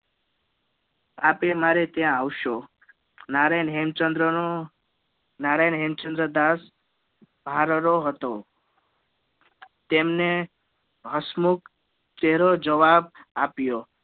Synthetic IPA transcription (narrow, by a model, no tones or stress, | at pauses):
apemaɾet̪jãawʃo | naɾajnɦemt͡ʃənd̪ɾəo | naɾajnɦemt͡ʃənd̪ɾəd̪as | bʱaɾɾoɦət̪o | t̪emne | ɦəsmuk | t͡ʃeɦɾod͡ʒəʋab̚apjo